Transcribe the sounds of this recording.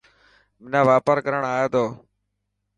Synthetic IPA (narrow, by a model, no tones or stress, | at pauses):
mɪnãːʋaːpəɾkəɾəɳaːjeːd̪oː